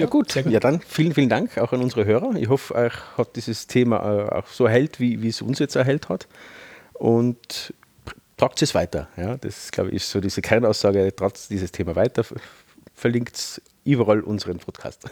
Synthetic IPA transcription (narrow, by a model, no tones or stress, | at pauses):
jaːɡ̥uːtjaːdanfiːlənfiːlən̩d̥aŋkʰaʊxɑnʊnzəʁəɦøːʁɐɪçɦɔfɛhɑt̚d̥iːzəstʰeːma̰a̰ʊxsoːɛɐɦɛltviːviːsʊ̰nsjɛt͡stɛɐɦɛlthat | ʔʊnt | pʁ̥aksɪsv̥aɪtɐjaːd̥ɑ̰sɪ̥la̰ʊbə̰çɪ̰ssoːdiːz̥əkʰɛʁnaʊsːɑːɡəd̥ʁaːtsd̥iːzəstʰeːmavaɪtɐ | fɛɐlɪŋkts | ʔyːbɐʁɑlʔʊnzəʁənpʰɔtkʰa̰ːst